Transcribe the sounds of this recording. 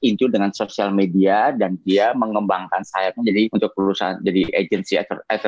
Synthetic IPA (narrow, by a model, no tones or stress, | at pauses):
int̪udəŋansosialmediadandiaməŋəmbaŋkansajakand͡ʒadiunt̪ʊk̚uɾusa̰nd͡ʒadiʔed͡ʒənsḭt̪ɛt̪